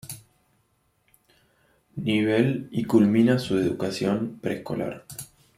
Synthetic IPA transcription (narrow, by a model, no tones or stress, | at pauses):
niβelikulminasueðukasjompɾḛhko̞̰la̰ɾ